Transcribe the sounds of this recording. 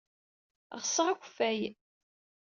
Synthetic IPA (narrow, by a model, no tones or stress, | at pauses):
ʁsəʁækʷfæj